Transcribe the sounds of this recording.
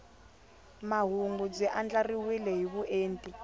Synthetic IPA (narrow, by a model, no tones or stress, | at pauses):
maɦuŋɡub͡ʐiʔand͡ɮariwilɛɦiβuʔeːntʼi